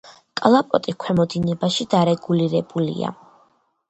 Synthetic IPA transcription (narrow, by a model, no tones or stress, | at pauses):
kʼlˠapʼɔ̰t̪ʼikʰwɛmɔd̪inɛbaʃid̪aɾɛɡuliɾɛbulḭa̰